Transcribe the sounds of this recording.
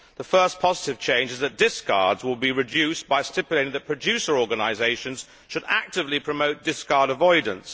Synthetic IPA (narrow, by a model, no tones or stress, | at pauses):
ðəfɜˑ˞spʰɒzɪtɪv̥t͡ʃʰẽɪ̃nd͡ʒɪzðət̚d̥ɪskʰɑ̰ːdzwɪlˠbiɹɪd͡ʒʉˑsb̥aɪstɪpjleɪɾɪ̃ŋðəʔ̚pʰɹ̥əd͡ʒʉˑsəɹɔːɡənaɪzeɪʃə̃nz̥ | ʃəɾa̰k̚tɪvlipʰɹ̥əmoʊt̚d̥ɪskɑɹɾəvɔɪd̃ⁿn̩s